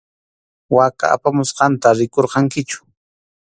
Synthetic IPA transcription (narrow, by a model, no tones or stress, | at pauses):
waka̰ːpamʊsqɑnt̪aɾɪkoɾqɑŋkɪt͡ʃʊ̥